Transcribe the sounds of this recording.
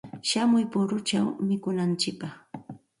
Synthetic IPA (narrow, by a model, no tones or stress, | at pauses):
ʃamʊjpʊɾʊt͡ʃawmɪkʊnant͡ʃɪk̚pɑχ